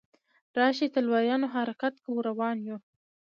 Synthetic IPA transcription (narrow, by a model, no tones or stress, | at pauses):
ɾɑːʃit̪əlwɑjɑːnoɦaɾakat̪kawuɾawɑːnju